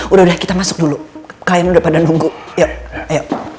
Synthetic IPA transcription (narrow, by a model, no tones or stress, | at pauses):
udahudahkit̪amasʊk̚dulukajamnudapadanuŋɡujajaʔ